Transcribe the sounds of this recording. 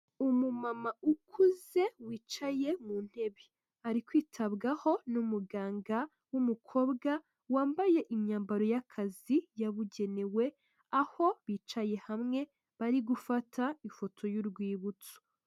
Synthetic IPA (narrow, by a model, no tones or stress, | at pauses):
umumamaukʰuze̞wiːt͡ʃaje̞mun̥he̞βi | aɾikwiːtʰaβɡaho̞numuɡaːŋɡa | wumukʰo̞ːbɡa | waːmbaje̞ʔimɲaːmbaɾo̞jakʰazijaβuɟe̞newe̞ | aho̞βiːt͡ʃaje̞hamŋe̞ | βaɾiɡufatʰaifo̞tʰo̞juɾɡwiːβut͡su̥